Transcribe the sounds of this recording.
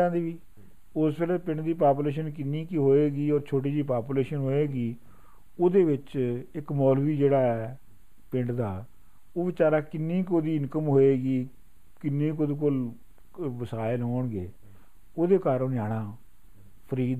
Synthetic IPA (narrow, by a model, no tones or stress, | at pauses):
ãːnd̪eːʋiː | ʊsbeləpɪ̃ɳʈd̪iːpaːp̬uleːʃ̬ənk̬ɪnːĩːkiɦoːeːɡiːɔːɾt͡ʃʰoːʈ̬iːd͡ʒiːpaːpuːleːʃənɦoːeːɡiː | oːd̪eːʋɪt͡ʃɪkmɔːlʋiːd͡ʒeːɽaːɛː | pɪ̃ɳʈd̪aː | oːʋɪt͡ʃaːɾaːkɪnːĩːkoːd̪iːɪnkəmɦoːeːɡiː | kɪnːiːkoːd̪iːk̬ʊl | ʋəsaːɪəlɦoːɳɡḛː | oːd̪eːkaːɾonjaːɽ̃aː | pʰəɾiːd̪